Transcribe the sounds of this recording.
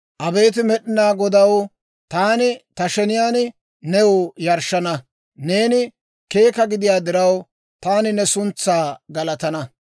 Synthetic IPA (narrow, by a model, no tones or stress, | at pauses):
ʔɐbe̞ːt̪̬ɪmɛɗɪnaːɡɔd̪ɐw | t̪aːnɪt̪ɐʃɛnɪjaːn | nɛwʊjɐɾʃːɐnɐ | ne̞ːnɪ | ke̞ːkɐɡɪd̪ɪjaːd̪ɪɾɐw | t̪aːnɪnɛsʊnt͡sːaːɡɐlɐt̪ɐnɐ